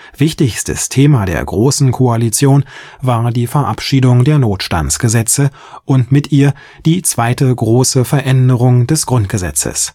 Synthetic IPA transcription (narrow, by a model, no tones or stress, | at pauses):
v̥ɪçtɪçstə̰stʰeːmadḛːɐɡʁoːsn̩kʰoalit͡sjoːnvaːɐdiːfɛɐʔa̰pʃiːdʊŋdeːɐnoːtʃta̰nt͡sɡ̥əzɛt͡sə | ʔʊntmɪtʔiːɐ | d̥iːt͡sv̥aɪtəɡʁoːsəfɛɐʔɛndəʁʊŋdɛsɡ̥ʁʊnt̚ɡ̥əzɛ̰t͡sə̰s